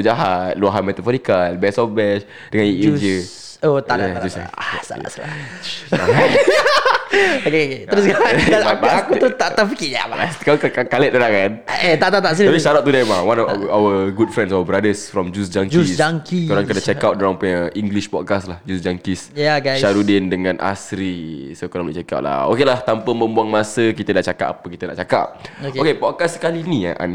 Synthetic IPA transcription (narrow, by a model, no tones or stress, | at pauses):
əd͡ʒaɦat̪̚luaɦanmɛt̪afɔɾikaɛlbɛsɔfbɛʃ | d̥əŋãniid͡ʒd͡ʒə | ot̪aaad͡ʒusa̰asa̰a̰sla̰a | ket̪əɾuskaaaaakuəɾust̪aʔ̪afikija̰maaskakaakalət̪̚əɾakanet̪aʔt̪at̪aʔs̬ilapiʃaɾat̪udɛmawãnɔaawəɡud̚fɾɛ̃nsawəbɾadəsfɾɔmd͡ʒusd͡ʒaŋd͡ʒuisd͡ʒaŋkioɾaŋkədat͡ʃɛkawt̪̚doɾaŋpuɲaiŋɡliʃpɔd̚kaslahd͡ʒusd͡ʒaŋkisjaɡaʃaɾudɪndəŋãnʔa̰sɾisokoɾalaʔt͡ʃɛka̰wtʔ̚la̰o̰kelaht̪ampəmbəmbuaŋmasəkit̪ədaʔt͡ʃakat̚apəkit̪ədaʔt͡ʃaka̰p̚okokepɔkassə̥kaliniaʔa̰n